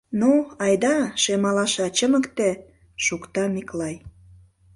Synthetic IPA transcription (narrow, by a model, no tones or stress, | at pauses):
noɑjd̪ɑʃemɑlɑʃɑt͡ɕəməkt̪e | ʃukt̪ɑmiklɑj